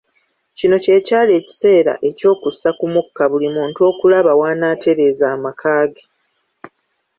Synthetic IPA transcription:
cino̞ce̞ːcaːle̞ːci̥se̞ːɾa̰ʔe̞co̞ːkusːakumukːaβulimuːnto̞ːkulaβawaːnaːtʰe̞ɾe̞ːzaːmakʰaːɡe

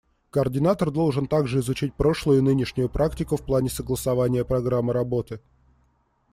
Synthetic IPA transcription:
kəərdʲɪnat̪ərd̪o̞lˠʐɨnt̪aɡʐɨɪzʊt͡ɕit̚ʲpɾo̞ʂlˠʊjʊnɨnʲɪʂnʲʊjʊpɾʔaktʲɪkʊfplˠanʲɪsəɡlˠəsɐvanʲɪjəpɾɐɡɾamːɨɾɐbo̞t̪ɨ

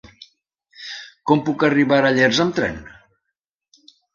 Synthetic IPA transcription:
kɔmpukəriβaɾəʎɛɾzəmt̪ɾɛ̰n

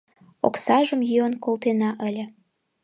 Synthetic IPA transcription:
o̰ksɑʒəmjyənkolt̪enɑʔəlʲə̆

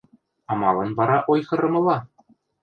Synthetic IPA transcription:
ɑmɑlˠɤ̆nβɑɾɑʔojχɤ̆ɾɤ̆mɤ̆lˠɑ

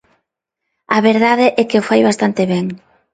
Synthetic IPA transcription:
ɐβeɾðaðeʔɛkeofajβast̪ant̪eβɛŋ

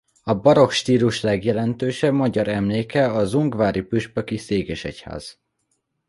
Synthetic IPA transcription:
ɒbɒɾo̞kʃt̪iːluʃlɛɡjɛlɛnt̪øːʃɛbmɒɟɒɾɛmleːkɛɒzuŋɡvaːɾipyʃpɛkiseːɡɛʃɛ̰cha̰ːz̥

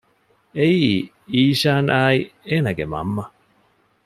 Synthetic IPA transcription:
eii | iːʃaːnʔaienaɡema̰mːa

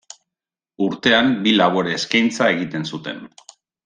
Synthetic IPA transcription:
uɾt̪e̞ambilaβoɾeːskajnt͡sae̞ɣ̞it̪e̞nsut̪e̞̰n

